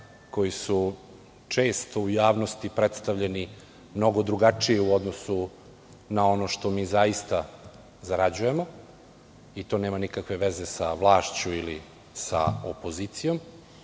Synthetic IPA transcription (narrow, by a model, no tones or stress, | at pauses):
ko̞jisu | t͡ʂe̞ːst̪oujaːʋnost̪ipɾet̪st̪aʋʎeni | mno̞ɡo̞d̪ɾuɡat͡ʂijeuod̪nosu | nao̞no̞ʃt̪o̞miːzajist̪a | zaɾad͡ʑuje̞mo̞ | it̪o̞ːneːmanikakʋe̞ʋezesaʋlˠaːʃt͡ɕuili | sa̰opo̞zit̪sijo̞m